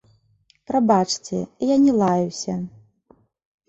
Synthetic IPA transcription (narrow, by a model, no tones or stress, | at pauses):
pɾabat͡ʂt͡sʲɛ̰janʲɛlˠajuwsʲɐ